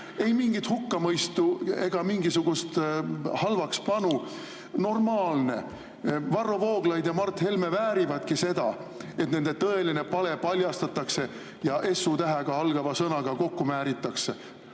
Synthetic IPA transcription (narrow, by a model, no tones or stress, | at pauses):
e̞jmiŋɡ̥it̪hukːɑmɤjst̪ue̞ɡ̥ɑmiŋɡisuɡ̥ust̪hɑlvɑkspɑnu | no̞rmɑːlne̞̰ | vɑrːo̞vo̞ːɡ̥lɑjd̪jɑmɑrt̪ˑhe̞lme̞væːɾivɑd̪̥kise̞d̪̥ɑet̪ne̞nd̪̥e̞t̪ɤ̞e̞line̞pɑle̞pɑlʲjɑst̪ɑt̪ːˑɑkse̞ | jɑʔe̞sːut̪æɦeɡ̥ɑɑlɡ̥ɑvɑsɤnɑɡ̥ɑko̞kːumæːɾit̪ːˑɑkse̞